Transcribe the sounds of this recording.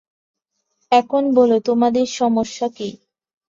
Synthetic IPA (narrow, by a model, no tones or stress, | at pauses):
ɛkʰonbolot̪omad̪eɾʃɔmoʃːaki